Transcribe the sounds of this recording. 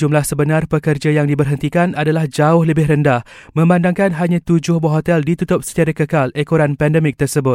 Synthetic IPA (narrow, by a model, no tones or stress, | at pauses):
d͡ʒumlahsəbənãrpəkərd͡ʒajaŋdibərɦənt̪ikanadalahd͡ʒaʊhləbɪɦɾəndahmə̃mbandaŋkanɦaɲãt̪ud͡ʒʊhbəɦot̪ɛldit̪ut̪ʊp̚sə̥t̪aɾakəkalekoɾanpɛndəmɪk̚t̪ərsəbʊt̪